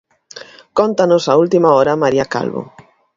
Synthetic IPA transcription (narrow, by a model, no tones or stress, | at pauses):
kɔnt̪anʊsault̪imaɔɾɐmaɾiaka̰lβo̰